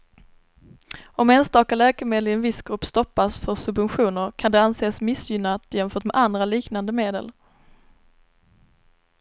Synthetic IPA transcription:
ɔmɛnst̪ɑːkalɛːkəmeːd̪əlɪɛnvɪsɡ̥ɾɵpːst̪ɔpːasfœsɵbvɛnɧuːnəɾkʰand̪ɛanseːsmɪsjʏnːat̪ɪjɛmfœːʈmɛd̪ʔand̪ɾaliːknand̪əmeːd̪ə̰l

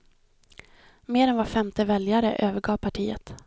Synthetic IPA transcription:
meːɾɛnvaɾfɛmt̪ʰəvɛljaɾə̰ʔøːvəɡɑːvpʰaʈʰiːə̰t̪

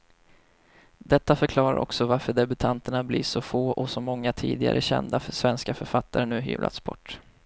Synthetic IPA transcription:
d̪ɛt̪ːafœɾkʰlɑːɾa̰ɾʔɔ̰ksɔvaɾfœɖɛbɵt̪ʰant̪əɳablɪʂɔfoːʔɔsɔmɔŋːat̪ʰḭːd̪ɪɡa̰ɾʔəɕɛ̰nd̪afsvɛnskafœɾfat̪ːaɾənʉ̟ːɦy̰ːvlʔa̰t̪sbɔʈː

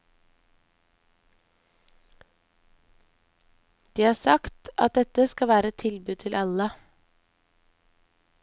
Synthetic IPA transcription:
d̪̥iːhɑːsɑkt̪ʔɑ̰t̪̚d̪ɛt̪əskɑʋæːɾəɛt̪ʰɪlbʉd̪̚t̪ʰɪlʔɑlə

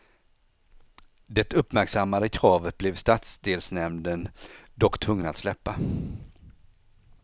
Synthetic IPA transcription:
d̪ɛt̪ɵpːmæɾksamːad̪əkʰɾɑːvət̪̚blɛvst̪at̪sd̪eːlsnɛmd̪ənd̪ɔkːt̪ʰvɵŋːənat̪slɛpːa

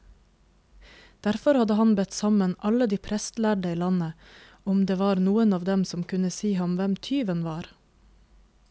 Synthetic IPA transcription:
d̪̥æɾfɔɾhɑd̪əhɑnbɛt̪sɑmənʔɑləd̪iːpʰɾɛst̪læːɖəiːlɑnə | ʊmd̪eːʋɑːɾnuːənɑːʋd̪ɛmsɔmkʰʉnəsiːhɑmʋɛmt̪ʰyːʋənʋɑːɾ

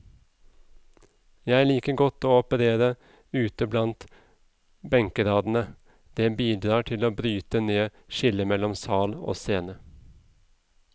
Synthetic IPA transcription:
jæɪæɭiːkəɡɔt̪ːoːɔpəɾeːɾə | ʉːt̪əblɑnt̪ | bɛŋkəɾɑːd̪n̩ə | d̪̥ɛbiːd̪ɾɑːʈʰɪloːbɾyːt̪əneːʃɪləmɛlːɔmsɑːlo̰ːseːnə

